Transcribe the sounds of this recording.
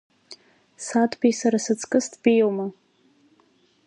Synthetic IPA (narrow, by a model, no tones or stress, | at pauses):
satʰʼbejsaɾasɨt͡sʰkʼɨstʰʼbijowma